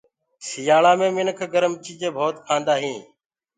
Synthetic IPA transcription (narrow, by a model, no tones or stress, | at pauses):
sɪjaːɭaːmẽːmɪnəkʰɡəɾəmt͡ʃiːd͡ʒẽːbʱoːt̪kʰãːnd̪aːɦĩː